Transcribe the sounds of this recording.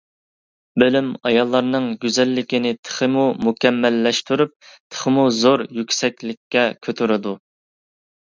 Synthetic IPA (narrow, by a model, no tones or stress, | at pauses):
bølymɑjɑlˠːɑɾnɨŋɡʲyzɛlːɪkʲinɪt̪ʰə̥χəmumukʲɛmːɛlːɛʃt̪yɾyp̚t̪ʰə̥χəmuzoɾjykʲsɛkʲlɪkʲʰːɛkʲʰøt̪ʰyɾɪd̪u